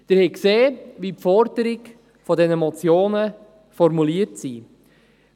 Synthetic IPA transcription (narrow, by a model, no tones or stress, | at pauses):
d̥əɾhɛkseːʋipfɔɾdəɾɪɡ | fɔdɛnəmɔt͡sjoːnə | fɔɾmuliəɾtsi